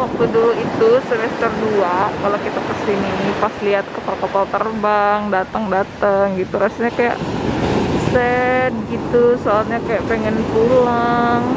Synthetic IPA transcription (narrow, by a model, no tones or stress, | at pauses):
wak̚t̪uduluit̪usəmɛst̪ərduakalokit̪akəsiniipasliɦat̪̚kapalkapalt̪ərbaŋdat̪əŋdat̪əŋɡit̪uɾasaɲakaja̰ʔ | sɛt̪̚ɡit̪usoalɲakajaʔpeŋɛnpulaŋ